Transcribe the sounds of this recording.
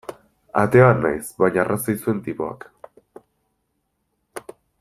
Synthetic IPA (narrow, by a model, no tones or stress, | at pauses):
a̰t̪e̞ana̰jsβajɲarasajsue̞nt̪ipo̞a̰k